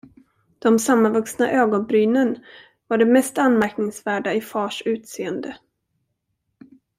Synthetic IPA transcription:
d̪̥ɔmsamːanvɵksnaʔøːɡɔnbɾyːnən | vaɖɛmɛst̪anmæɾknɪŋsvæːɖaɪfɑːʂʉ̟ːt̪seːənd̪ə

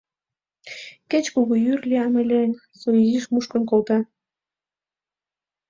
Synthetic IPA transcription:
ket͡ɕkuɣojyrlʲiɑmelʲen | soiziʃmuʃkə̆nkolt̪ɑ

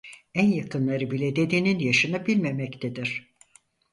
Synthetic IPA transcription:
ænjakʰɯnlˠaɾɯbilʲed̪e̞d̪eninjaʃɯnabilʲme̞mɛct̪ʰed̪iɾ̥

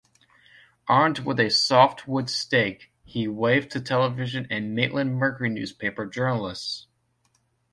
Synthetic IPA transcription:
ʔɑɹmd̚wɪðɨsɔft̚wʊdsteɪk | hiweɪvtʰɨtʰɛlˠəvɪʒɨ̃nɨ̃nmeɪʔlʔɨ̃nmɜ˞kə˞inʉ̰z̥pʰeɪpə˞d͡ʒɜ˞nl̩ˠɪst

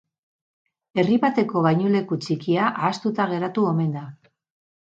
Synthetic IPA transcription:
e̞riβat̪e̞ko̞ɣajɲule̞kut͡ʃikiaʔaːst̪ut̪aɣ̞e̞ɾat̪uo̞me̞nd̪a

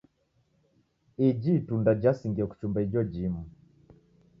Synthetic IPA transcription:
id͡ʒitundad͡ʒasiŋɡiaku̥t͡ʃumbaid͡ʒɔd͡ʒimu

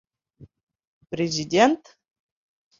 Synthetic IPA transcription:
prezidʲentʰ

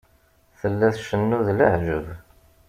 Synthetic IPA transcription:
θəlːæθʃənːuðlə̰ʕʒəv

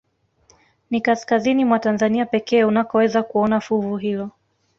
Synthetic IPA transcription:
nikaskazinimwatanzaniapɛkɛːunapɔwɛzakuɔnafuvuɦilɔ

